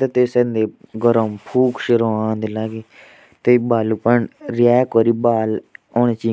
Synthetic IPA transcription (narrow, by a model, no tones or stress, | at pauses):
t̪et̪esend̪eːɡəɾəmpʰuːkʰʃɪɾoːãːnd̪ilaːɡi | t̪ebaːlupəɳɾɪjɛːkoːɾiːbaːloːñeːt͡ʃiː